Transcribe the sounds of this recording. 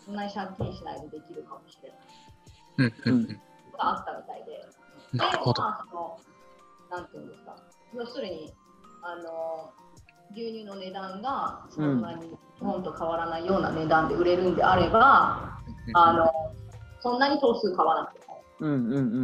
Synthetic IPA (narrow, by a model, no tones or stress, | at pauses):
sõ̞nːaɲ̟iɕak̪ʲẽɕina̰id̪od̪e̞kʲiɾɯ̟kamo̞ɕiɾe̞nai | oɡaːt̪ːamʲit̪aid̪e̞ | naasono̞ | nãnt̪eɯ̟̰̃nd̪e̞sɨ̥ka̰ | sosoɾeɲ̟i | ano̞ | ɡʲɨːɲ̟ʲɨːno̞ne̞d̪ãŋɡasoõnːaɲ̟i | hõnt̪o̞kʰaβaɾanaijo̞ːna̰ne̞d̪ãnd̪e̞ɯ̟ɾe̞ɾɯ̟̃nd̪e̞aɾe̞baː | no̞sõ̞nːaɲ̟it̪o̞ːsɨːkaβanakt̪ːeka | ɯ̃ɴ